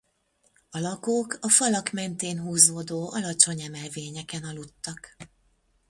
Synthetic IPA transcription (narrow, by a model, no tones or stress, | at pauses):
ɒlɒkoːkɒfɒlɒkmɛnt̪eːnɦuːzoːd̪oːɒlɒt͡ʃo̞ɲɛmɛlveːɲɛkɛnɒlut̪ːɒk